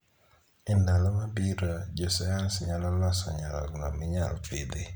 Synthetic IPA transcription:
ɪndalɔmabiɾad͡ʒɔsajansɲalalasɔɲalɔ̰ɡnamɪɲa̰lpid̪ɪ

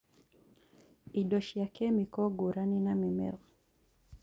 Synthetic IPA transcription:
iɗɔʃjakɛmikɔɡuɾaninamimɛ̰l

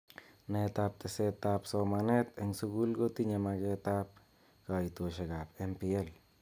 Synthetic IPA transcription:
net̪ap̚t̪eset̪apsomanet̪eŋsuɡulɡot̪iɲamaket̪ap̚ | kajt̪oʃekapempiel

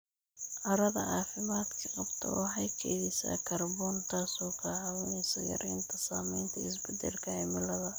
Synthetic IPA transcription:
ʔɐɾɐðɐʔɑːfɪmaːd̪kʰɐqɑbt̪ʰɐ̰wɑħɑjkʰɛjðɛsa̰ːkʰɐrbɔːnt̪ʰaːsɔːkʰɐʕɑwɪnɛjsɐjɐ̰ɾʔɛ̰ːnt̪ʰɐsaːmɛjnt̪ʰɐɪs̬bɪd̪ɛ̰lkʰɐɛmɪlɐðɐ

